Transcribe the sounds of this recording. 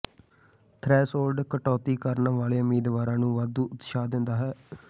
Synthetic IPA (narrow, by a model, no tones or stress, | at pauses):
t̪ʰɾɛːsoːlɖkəʈɔːt̪iːkəɾnʋaːleːʊmiːd̪ʋaːɾãːnũːʋaːd̪ũːʔʊt̪ʃaːd̪ɪnd̪aːɦɛː